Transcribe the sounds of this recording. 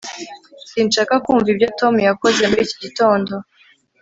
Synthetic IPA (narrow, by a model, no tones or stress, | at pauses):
siːnʃaːkakuːɱvibjo̞to̞mujako̞ze̞muɾiciɟito̞ːndo̞